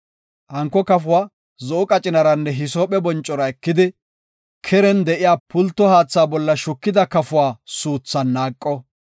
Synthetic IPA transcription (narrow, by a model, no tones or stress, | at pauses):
hɐŋkːɔkɐfʊwaː | zɔʔʊkʼɐt͡ʃʼɪnɐɾɐnːɛɦɪsoːpʼɛbɔnt͡ʃʼːɔɾɐɛkːɪd̪ɪ | kʰɛɾɛnd̪ɛʔɪjaːpʊlt̪ːɔhaːt͡sːaːbɔlːɐʃʊkːɪd̪ɐkɐfʊwaːsuːt͡sːɐnːaːkʼːɔ